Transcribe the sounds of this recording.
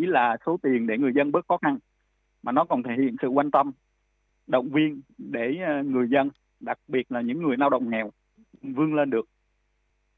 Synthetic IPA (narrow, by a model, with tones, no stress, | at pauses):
i˨˦laː˨˩so˨˦t̪i˨˩ənɗe˧˩ŋɨ˨˩əjzə˧nɓə˦˥t̚xɔ˨˦xa˧n | maː˨˩nɔ˨˦kɔ˨˩nt̪ʰe˧˩hḭ˧˨ənsɨ̰˧˨kwa˧nt̪ə˧m | ɗə̰˧˨wŋ͡mvi˧ənɗe˧˩ŋɨ˨˩əjzə˧n | ɗa˨˩k̚ɓi˨˩ət̚laː˨˩ɲɨ̰˧˥ŋːɨ˨˩əjlaː˧wɗə̰˧˨wŋ͡mŋɛ˨˩w | vɨ˧əŋle˧nɗɨ˨˩ək̚